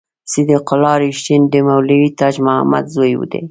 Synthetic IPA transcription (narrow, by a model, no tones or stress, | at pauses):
sid̪iqʊlɑɾiʃtind̪əmawliwit̪ɑd͡ʒmʊha̰ma̰d̪zojwṵd̪ḛ